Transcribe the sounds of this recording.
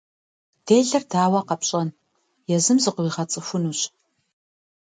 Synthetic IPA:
d̥eːɮɐrdaːwɐqɐpɕʼɐn | jɛzɨmzɨqwiːʁɐt͡sʼɨfʷʊnuːɕ

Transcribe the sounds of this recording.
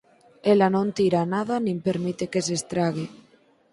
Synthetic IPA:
elanõnt̪iɾanaðanĩmpeɾmit̪ekesest̪ɾaɣ̞e

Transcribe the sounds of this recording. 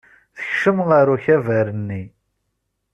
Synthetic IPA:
θə̥çʃəmʁəɾuçævæɾənːi

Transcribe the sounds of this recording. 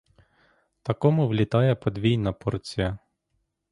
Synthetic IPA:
t̪ɐkɔmʊʋlʲit̪ɑjɛpɔd̪ʋʲijnɐpɔrt͡sʲijɐ

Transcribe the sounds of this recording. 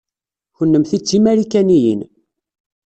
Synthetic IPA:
çənːəmθit͡sːimæɾikænijḭn

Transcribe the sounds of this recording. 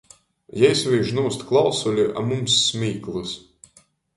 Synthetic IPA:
jɛjsvʲiːʒnuːst̪klˠawsulʲiʔa̰mumsːmʲiːklˠɨs

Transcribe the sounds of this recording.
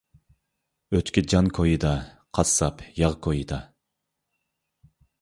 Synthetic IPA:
øt̪kʲid͡ʒɑnkʰojɨd̪ɑ | qʰɑsɑpjɑʁkʰojid̪ɑ

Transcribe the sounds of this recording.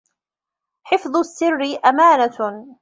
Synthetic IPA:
ħɪfðˤʊsːɪrːɪʔamaːna

